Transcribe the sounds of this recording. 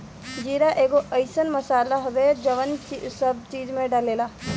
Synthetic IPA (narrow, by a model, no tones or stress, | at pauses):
d͡ʒiːɾaʔeːɡoʔəɪsənməsaːlaɦodeːd͡ʒəʋənt͡ʃisəbt͡ʃiːd͡ʒmẽɖəleːlaː